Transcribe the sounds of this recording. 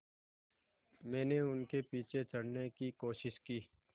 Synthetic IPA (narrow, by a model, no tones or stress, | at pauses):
mɛ̃ːneʊnkepiːt͡ʃʰet͡ʃəɽnekikoːʃɪʃkiː